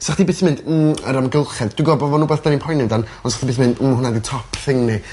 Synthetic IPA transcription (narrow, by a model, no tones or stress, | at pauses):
saχtdibɪθmɪ̃nd̩əɾamɡɪlˠχɛdd̥wiɡɔbɔvɔnuːbɛːθd̥aninpʰɔjnɪmdanɔnsaχtibɪːθmɪnd̥̩hʊnaditʰɔpʰθɪŋni